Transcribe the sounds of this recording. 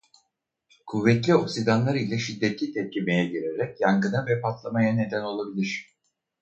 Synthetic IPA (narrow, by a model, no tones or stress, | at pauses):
kʰuvːɛt̪lʲio̞ksid̪anlˠaɾilʲɛʃid̪ːɛt̪lʲit̪ʰɛt̪̚lʲime̞jɛɟiɾeɾɛcjaŋɡɯnavɛpʰat̪lˠamajane̞d̪æno̞lˠabilʲiɾ̝̥